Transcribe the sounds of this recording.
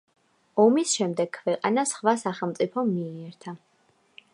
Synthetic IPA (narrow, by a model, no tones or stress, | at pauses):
ɔmisʃɛmd̪ɛɡʰvɛqʼa̰nasχvasaχɛlˠt̪sʼipʰɔmːiiɛɾt̪ʰa